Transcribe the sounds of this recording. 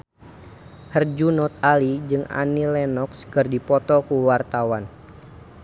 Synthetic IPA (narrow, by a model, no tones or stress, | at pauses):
hərd͡ʒunɔt̪̚alid͡ʒɨŋa̰nilɛnɔkskərdipɔt̪ɔkuwart̪awan